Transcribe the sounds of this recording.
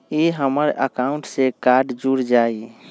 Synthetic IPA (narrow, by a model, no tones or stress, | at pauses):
iɦəməɾə̰kauɳʈsekaɾɖd͡ʒuɾd͡ʒai